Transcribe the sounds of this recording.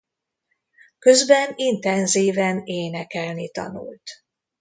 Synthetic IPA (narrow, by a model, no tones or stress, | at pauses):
kø̞zbɛnint̪ɛnziːvɛneːnɛkɛlnit̪ɒ̰nṵlt̪